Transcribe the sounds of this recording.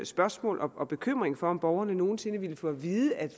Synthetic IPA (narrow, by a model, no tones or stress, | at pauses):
sb̥ɶɐsmɔ̰̽ːlʔɒ̽ʔɒ̽b̥e̝kʰøm̰ʁeŋfɒ̽ɒ̽mb̥ɒʊɐnəno̝ːn̩se̝nəʋiləfɔ̽ʋiːð̞ˠəæd̥